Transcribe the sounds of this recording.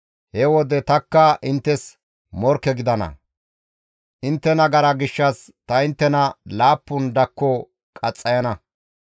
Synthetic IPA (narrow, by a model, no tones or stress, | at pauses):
hɛwɔd̪ɛt̪ɐkːɐʔɪnt̪ːɛs | mɔɾkːɛɡɪd̪ɐnɐ̰ | ʔɪnt̪ːɛnɐɡɐɾɐɡɪʃːɐs | t̪ɐɪnt̪ːɛnɐlaːpːʊnd̪ɐkːɔ | kʼɐt͡sʼːɐjɐnɐ